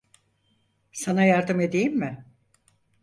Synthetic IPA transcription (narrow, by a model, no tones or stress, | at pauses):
sanajaɾd̪ɯme̞d̪ejimːɪ